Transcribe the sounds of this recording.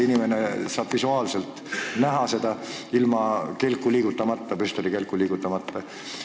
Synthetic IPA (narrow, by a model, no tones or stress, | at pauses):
inime̞nesɑːb̥visuɑːlse̞lt̪ˑ | næɦɑse̞d̪̥ɑ | ilmɑke̞lkːˑuliːɡ̥ut̪ːˑɑmɑt̪ːɑpyst̪oɾike̞lkːˑuliːɡ̥ut̪ːˑɑmɑt̪ːɑ